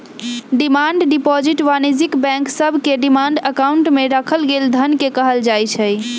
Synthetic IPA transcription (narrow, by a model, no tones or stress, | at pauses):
ɖimaɳɖɖipɔd͡ʒiʈʋanid͡ʒikbɛ̃ŋksəbʱkeɖimaɳɖəkauɳʈmeɾakʰəlɡeld̪ʱənkekəɦəld͡ʒajt͡ʃʰəj